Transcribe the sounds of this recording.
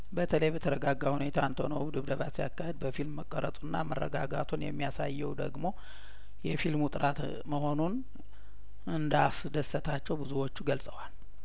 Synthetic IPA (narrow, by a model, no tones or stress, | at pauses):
bət̪ʰələjbət̪ʰəɾəɡaɡːahune̞t̪ʰant̪ʰonəwd̪ɨβd̪əβasija̰kːahɛd̪̚bəfilmːəkʼːəɾə̰t̪ʼunːa̰mərːə̰ɡa̰ɡa̰t̪ʰunjɛ̰mːijasajːɛwd̪ə̰ɡmo̞ | jɛfilmut̪ʼɨɾʔat̪ | məho̞nun | ɨnd̪asd̪əsːət̪ʰat͡ʃːɛwbɨzuwo̞t͡ʃːuɡəlsʼəwal